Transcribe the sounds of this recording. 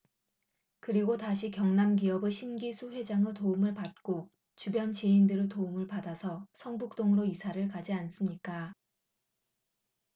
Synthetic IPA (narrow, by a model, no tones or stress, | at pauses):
kɯɾiɡotaɕʰikjʌŋnamɡiʌbeɕʰinɡisʰuɸwe̞d͡ʑaŋɯtoumɯɭpat̚k͈o | t͡ɕubjʌnt͡ɕeindɯɾɯtoumɯɭpadasʰʌsʰʌŋbuk̚t͈oŋɯɾoisʰaɾɯɭkad͡ʑians͈ɯmɲik͈a